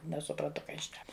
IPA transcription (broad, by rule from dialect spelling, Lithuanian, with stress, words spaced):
nʲɛsʊprɐnˈtʊ ˈkɐ jɪs ʃʲnʲɛk